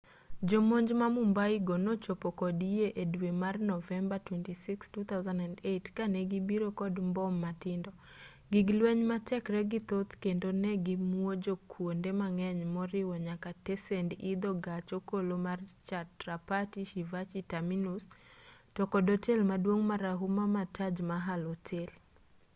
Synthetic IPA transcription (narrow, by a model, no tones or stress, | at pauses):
d͡ʒomoɲd͡ʒmamumbaiɡonɔt͡ʃopɔkɔdijeʔedwemarnɔvɛmbatwɛntisikstut̪ʰawzandandetkanɛɡibiɾokɔdmbɔmːatɪndɔ | ɡiɡlwɛɲmatɛkɾɛɡit̪ot̪kendonɛɡimwod͡ʒokʰwondemaŋɛɲmɔɾɪwɔɲakatɛsɛndid̪oɡat͡ʃokolomart͡ʃatrapatiʃivat͡ʃitaminustɔkɔdotʰelmadwoŋmaɾaɦumamatʰad͡ʒmaɦalotʰel